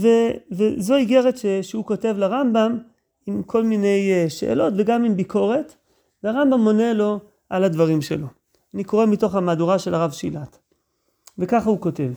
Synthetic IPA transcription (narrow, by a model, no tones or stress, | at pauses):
vevezo̞iɡe̞ʁetʃeʃeuko̞te̞vlaʁambam | imkʰo̞lmine̞jʃḛʔḛlo̞tveɡamimbiko̞ʁe̞t | veaʁambamo̞ne̞lo̞ | ʔaladvaʁimʃelo̞ | aniko̞ʁe̞mito̞χamaduʁaʃe̞laʁavʃilat | vekaχauko̞te̞v